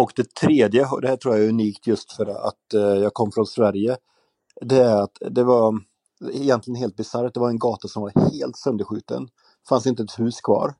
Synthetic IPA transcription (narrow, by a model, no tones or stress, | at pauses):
ɔkd̪ɛt̪ʰɾeːd̪jəɦd̪ɛhæːʈʰɾuːɾjaɛʉniːkt̪ʰjɵst̪fœɾa̰t̪jɑːɡ̚kʰɔmːfɾɔnsvæɾjə | d̪ɛæɾat̪d̪ɛvaɾ | ɪjɛnt̪lɪɡənɦeːlt̪̚bɪsaɾt̪̚d̪ɛvaɾɛnɡɑːt̪asɔmvaɾheːlt̪sœnd̪əɾɧʉ̟ːt̪ə̰n | fansɪnt̪əɛt̪hʉ̟ːskʰvɑ̰ːɾ